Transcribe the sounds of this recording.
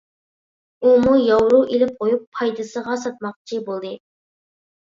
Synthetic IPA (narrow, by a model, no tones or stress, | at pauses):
umujɑwɾuʔelɪp̚qʰojupʰːɑjd̪ɨsəʁɑsɑt̪̚mɑq̚t͡ʃʰibolˠd̪ɨ